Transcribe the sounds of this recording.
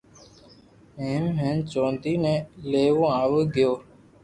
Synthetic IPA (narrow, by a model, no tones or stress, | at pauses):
eːmɦẽːnt͡ʃõːnd̪iːnẽːleːʋõːaːʋəːɡɪjoː